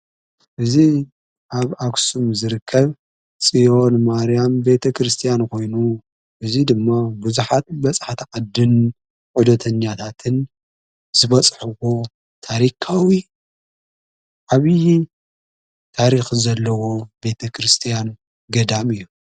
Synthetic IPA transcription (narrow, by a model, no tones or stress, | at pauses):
ʔɨzi | ʔaβaksumzɨɾɨkʰːɐβ | sʼijo̞nmaɾijambe̞t̪ʰɐkʰɾɨst̪ʰijankʰo̞jnu | ʔɨzid̪ɨmːabuzuħat̪̚bɐt͡sʼħat̪ʰʔʼɐd̪ɨn | ʕud̪ɐt̪ʰɐɲːat̪ʰat̪ʰɨn | z̥ɨβɐt͡sʼħɨwo̞ | t̪ʰaɾikʰawi | ʔaβi | t̪ʰaɾixzɐlːɐwo̞be̞t̪ʰɐkɾɨst̪ʰijan | ɡɐd̪amɨjːu